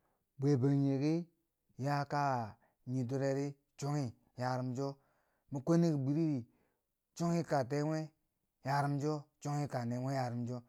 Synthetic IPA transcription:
bʷe˨ba˨ɲe˨ɡi˦ | ja˦ka˦˨ | ɲi˨do˦ɾe˦ɾi˦ | t͡ʃo˦ŋi˦ | ja˨ɾi˨md͡ʒo˦ | mi˨kʷe˦ni˦ɡi˨ɡ͡bi˨ɾi˦ɾi˨ | t͡ʃo˦ŋi˦ka˨t̬e˦wʷe˦ | ja˨ɾi˦m˦d͡ʒo˦t͡ʃo˦ŋi˦ka˨ne˨˦we˦ja˨ɾi˨˦md͡ʒo˦

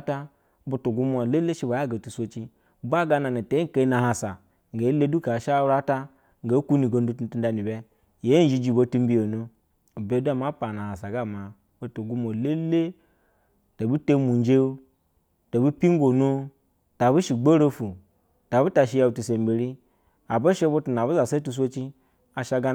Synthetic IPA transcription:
ta˦ | bu˨tu˨ɡu˦m˦o˨le˦le˦ʃi˦ba˨ja˦˨ɡa˨tu˨sʷo˦t͡ʃi˦ | ba˦ɡa˦na˨na˨te˨˦i˦˨ke˦na˨ha˨sa˨ | ŋ˨ɡa˨˦le˦du˦ka˨ʃa˦u˦ɾa˦ta˦ | ŋ˨ɡa˨˦ku˦ni˨ɡo˨n˦du˦tu˦n˦tu˦nda˨ni˨bɛ˦ | je˦d͡ʒi˦d͡ʒi˨bo˨˦tu˦mbi˦jo˨nu˦˨ | be˨˦da˦˨ma˦pa˨na˨ha˨sa˨ɡa˦˨ma˨ | o˦to˨ɡu˦mo˨le˦le˦ | ta˨bu˦te˦mu˨n˦d͡ʒe˦u˦ | ta˨bu˦pi˦ŋ˦ɡo˨nu˦ | ta˨bu˦ʃi˨ɡ͡bo˦ɾo˦fu˨ | ta˨bu˦ta˨ʃi˦ja˨u˨tu˨se˨m˨be˨ɾi˦ | a˨bo˦ʃe˦bo˦tu˨n˨a˨bu˦za˨sa˦tu˦s̬ʷo˦t͡ʃi˦ | a˨ʃa˦ɡa˦

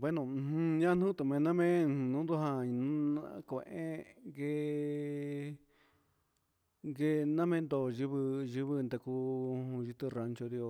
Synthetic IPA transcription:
bwe˦nõ˧hũ˧ɲã˦n̥ũ˦t̪u˨mẽ˧nã˦mẽ˦˧nũ˦d̪u˦ɦã˧ñ˦kʷẽ˨˧ʔẽ˦ŋɡe˧ | ŋɡe˧nã˦mẽ˦˧nd̪o˧˨ʒi˧βɨ˧ʒi˧βɨ˧nd̪a˧kuː˧˦ũ˧ʒi˧t̪ɨ˧ra˧nt͡ʃo˧d̪ði˧o˧

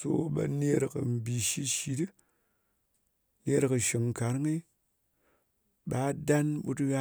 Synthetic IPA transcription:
so̰˦ɓa̰˨ne˦ɾkɨ̰˨m̩˨bi˨ʃi˦ʃi˧dɨ˦ | ne˧ɾkɨ˨ʃi˨ŋ̩˨ka˨ɾŋi˦ | ɓa˨˦da˦nɓu˧tɣa˦

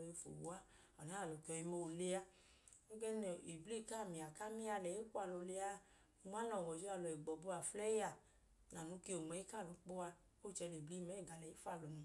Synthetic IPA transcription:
ji˧fo̰˨wu˨a˦ | ɔ˨nã˦a˦˨lo˨ki˧˦ɔ˧ji˧mo˧˨le˧˦a˧ | o˦ɡɛ˦n˨i˨bli˦˨ka˦˨mĩ˨a˨ka˦mĩ˦a˧lɛ˨i˦ku˦a˧˨lo˧˨˧le˧˦a˧˦˨ | m˦a˦nɔ˨wɔ˨d͡ʒo˦a˨lɔ˨i˨ɡ͡bɔ˨bo˧˦a˨flɛ˦a˦˨ | na˨nũ˨˧˦ki˦o˨mɛ˨˦i˦ka˦˨lu˨˦k͡pu˦a˧ | o˦˨t͡ʃɛ˧le˨bli˦mɛ˦˨ɡa˨lɛ˨i˨˦fa˦˨lɔ˨nĩ˧

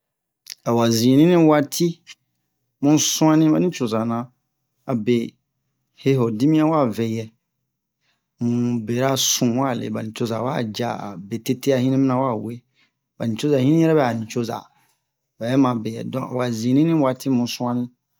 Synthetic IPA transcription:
a˨wa˨zĩ˨nĩ˦nĩ˦wa˦tʰi˦ | mũ˦nsũ˦ã˦nĩ˦ba˨nĩ˦t͡ʃo˨za˨nã˨ | a˨be˨ | he˦ɦo˨di˦mĩ˦ã˦wa˦˨ve˨jɛ˨ | mũ˨be˨ɾa˦sũ˨wa˦˨lḛ˨ba˨nĩ˨t͡ʃo˨za˨wa̰˦˨d͡ʒa̰˦˨a̰˨be˨te˦te˦a˨hĩ˦nĩ˦mi˦nã˨˦wa˦˨we˦ | ba˨nĩ˨t͡ʃo˦za˨hĩ˦nĩ˦ɛ˦ɾɛ˦bɛ˨a˨nĩ˨t͡ʃo˦za̰˨ | ba˨jɛ˦mã˨be˨jɛ̰˨dɔ̃˨ʔa̰˨wa˨zĩ˨nĩ˦nĩ˦wa˨ti˦mũ˨n˦sũ˦ã˦nĩ˦

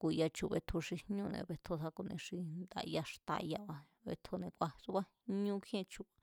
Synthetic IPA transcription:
ku˧ja˧t͡ʃu˧βe˧t̪ʰo˧ʂi˧ɲũ˦˧nḛ̃˧βe˧t̪ʰo˧sa˦ku˧nẽ˧ʂi˧nd̪a̰˧ja˧ʂt̪a̰˧ja˧βa˧ | βḛ˧t̪ʰo˧nẽ˧kʷa˧su˦βa˦ | ɲũ˦kʰẽ˦˧t͡ʃu˧a˨

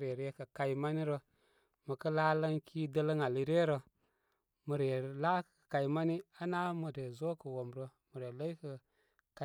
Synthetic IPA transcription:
ɾe˨ɾe˨kə˨ka˨jma˦ni˦ɾo˦ | mə˨kə˦la˦lə˦ŋkʰi˦də˦lə˦ŋa˨li˨ɾe˦ɾo˨ | mə˨ɾe˨la˦kka˨i˨˦ma˦ni˦a˦na˦mə˨ɾe˨zo˦kə˨wo˨mɾo˨mu˨ɾe˨lə˦i˦kə˨ | ka˨

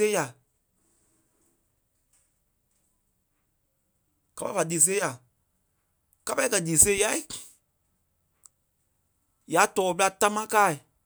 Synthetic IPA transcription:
e˦ja˨ | ka˦pa˦fa˨diː˨s̬e˦ja˨ | ka˦pa˦i˦kɜ˨diː˨se˦ja˦i˨ | ja˨˦tɔː˨pə˦la˧ta˦mã˦kaː˦˨i˨

